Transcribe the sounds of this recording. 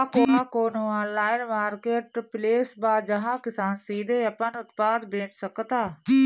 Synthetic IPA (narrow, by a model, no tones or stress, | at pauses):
koːãːkoːnũːaːnlaːɪnmaːɾkeːʈpleːsbaːd͡ʒəɦãːkɪsaːnsiːd̪eːəpənʊt̪paːd̪beːt͡ʃsəkt̪aː